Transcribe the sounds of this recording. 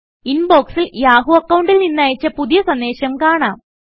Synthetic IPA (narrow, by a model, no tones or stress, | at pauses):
inbo̞ːksiljaːɦuɐkːɐwɳɖilninːaːjit͡ɕːɐpuðijɐsɐnd̪e̞ːɕɐmkaːɳaːm